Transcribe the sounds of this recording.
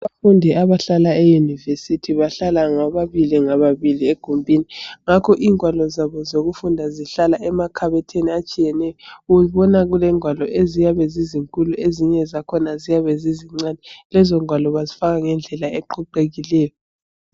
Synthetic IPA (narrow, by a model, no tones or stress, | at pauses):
βafundʱɛʔaβaɬalaejunivesitʰiβaɬalaŋaβaβiliŋaβaβilieɡ̥ʱumbʱiniŋakʰɔʔiːŋʱwalɔzaβɔzoɣufundʱaziɬalaʔɛmakʰaβɛtʰeniat͡ʃʼijɛnɛjɔuuβɔnaɣulɛŋʱwalɔʔezijaβɛziziŋkʼulueziɲɛzakʰɔnazijaβɛziziŋ͡ǀanɛlɛzɔŋʱwalɔβazifaɣaŋɛnd͡ɮʱɛlaeǃʰuǃeɣilɛːjɔ